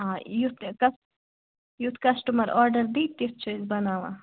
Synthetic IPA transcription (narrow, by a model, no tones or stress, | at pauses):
ãːjut̪kɐs | jut̪kɐsʈumɐɾoɾɖɐɾd̪it̪ːif̚t͡ʃʰojzbɐnaːʋã̰ː